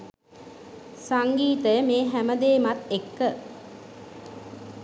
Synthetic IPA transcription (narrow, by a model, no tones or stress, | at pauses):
saŋɡiːt̪əjəmeːɦæməd̪eːmat̪ekːə